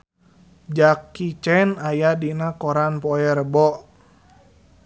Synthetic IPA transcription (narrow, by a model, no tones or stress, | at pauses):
d͡ʒakːit͡ʃɛnajadinakɔɾanpɔɛɾbɔʔ